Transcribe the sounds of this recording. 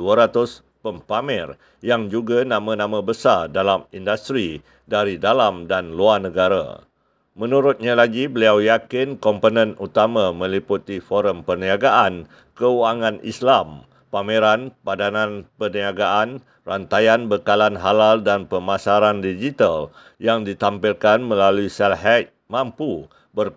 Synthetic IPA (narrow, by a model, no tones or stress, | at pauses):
uaɾat̪ʊs | pəmpamɛr | jaŋd͡ʒuɡanãmãnãmãbəsardalamindast̪ɾi | daɾidalamdanluarnəɡaɾa̰ | mə̃nuɾʊt̪̚ɲalaɡibəliawjakɪnkɔmponə̃nut̪amãmə̃liput̪ifɔɾəmpərniaɡaʔan | kəuaŋãnḭslam | pameɾanpadanãnpərniaɡaʔan | rant̪ajanbəkalanɦalaldanpəmasaɾandid͡ʒit̪al | jaŋdit̪ampilkanmə̃laluisɛlɦɛt̪̚mãmpu | bər